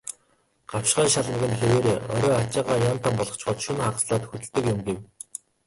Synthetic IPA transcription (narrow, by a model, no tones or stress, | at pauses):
ɢ̥awʃɢæːʃaɮmə̆ɣɘ̆nxeɾeːɾeːʔɔ̰ɾʲɔːat͡ɕaːʁaːjant̪ʰampɔɮʁɞ̆χt͡ɕɢɔːt̪ʃɵnχaʁsɮaːt̪xɵt̪ɘ̆ɮt̪ɘ̆kjʊmɡew